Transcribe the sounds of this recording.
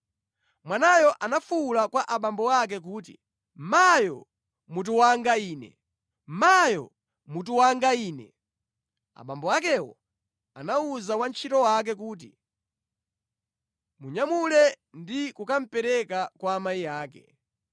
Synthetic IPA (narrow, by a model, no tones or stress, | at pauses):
mwanajɔʔanafulakwaʔaɓambɔwak̬ɛk̬uːtḭ | majɔ̰ | mut̬uwaŋɡaiːnɛ̰ | majɔ̰ | mut̬uwaŋɡaiːnɛ̰ | a̰ɓambɔakɛwɔ̰ | anauzawant͡ʃʰitɔwak̬ɛkuːti | muɲamulɛ | ndikukam̩pɛɾɛkakwaːmaijaːkɛ